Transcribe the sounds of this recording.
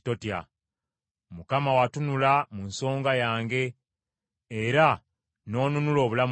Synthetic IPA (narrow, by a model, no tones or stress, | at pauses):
to̞tja̰ | mukamawatunulamunso̞ːŋɡajaːŋɡe̞ː | ɾa | no̞ːnunulo̞ːβulam